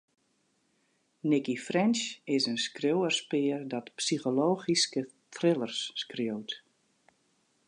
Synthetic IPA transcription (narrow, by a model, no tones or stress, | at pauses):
nɪkifrɪnsɪsənskrjowərspɪːrdɔtpsixoloːɣiskə | tʰrɪlˠərsːkrjowt